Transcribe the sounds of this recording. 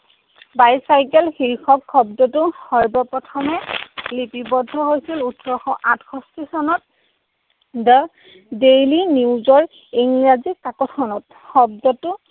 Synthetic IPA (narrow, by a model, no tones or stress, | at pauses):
bajsajkɛlxiɹixʰɔkʰːɔbdɔtʊhɔɹbɔpɹɔtʰɔmɛlipibɔdʱːɔɦojsilutʰɹɔxɔʔatkʰɔstisɔnɔt̚ | də | dejliniwzɔɹ | iŋɹazikkakɔtʰɔnɔt̚ | xɔb̚dɔtʊ